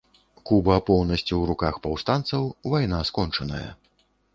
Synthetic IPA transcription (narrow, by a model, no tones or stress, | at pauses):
kubɐpɔwnɐsʲt͡sʲiwɾukaxpawst̪ant̪sɐwvajnaskɔnt͡ʂɐnɐ̰jɐ̰